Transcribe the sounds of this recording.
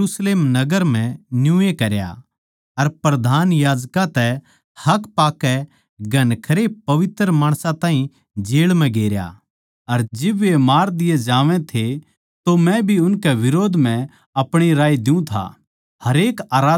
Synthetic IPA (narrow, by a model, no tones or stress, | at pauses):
uːsleːmnɐɡəɾm̤ɛ̃njũːekɐɾja̰ | ɐɾpɾɐd̪ʱaːnjaːd͡ʒkãt̪ɛ | hɐkpaːkːɛ | ɡɐnkʰɐɾepɐʋɪt̪ɾəmaːɽ̃sãt̪ãːɦĩ | d͡ʒeːɭmɛ̃ɡeːɾja̰ | ɐɾd͡ʒɪbemaːɾd̪ɪjed͡ʒaːʋɛ̃t̪ʰe | t̪omɛ̃bʱiʊnkɛʋɪɾoːd̪ʱm̤ɛ̃ | ɐpɽ̃iɾaːid̪ɪũt̪ʰa̰ | hɐɾeːkaːɾaː